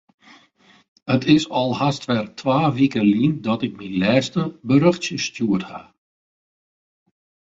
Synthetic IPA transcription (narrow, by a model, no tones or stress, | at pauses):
ətɪsɔlˠhastʋɛrtʰʋaːʋikəlindɔtɪk̚milɛːstəbəɾøxtjəstjuətha̰